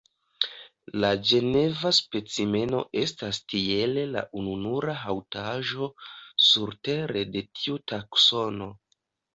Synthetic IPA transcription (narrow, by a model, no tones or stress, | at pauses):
lad͡ʒe̞ne̞vaspe̞t͡sime̞no̞̰ʔe̞stastie̞le̞la̰ʔununuɾaɦawtaʒo̞suɾte̞ɾe̞de̞tʰiutakso̞no̞